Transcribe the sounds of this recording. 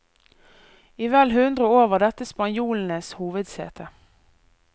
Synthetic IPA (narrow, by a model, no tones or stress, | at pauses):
iːʋɛːlɦʉnd̪ʁəoːʋəʁd̪ɛt̪əspɑnjuːln̩əshuːʋəd̪sḛːt̪ʰə